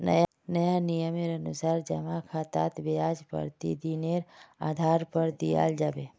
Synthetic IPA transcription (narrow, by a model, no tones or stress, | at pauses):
nə̰j | nəjanijəmeɾənusaːɾd͡ʒəmakʰat̪a̰ːt̪bejad͡ʒpə̰ɾt̪ḭd̪ineɾaːd̪ʱaɾpəɾd̪ija̰ld͡ʒaːbe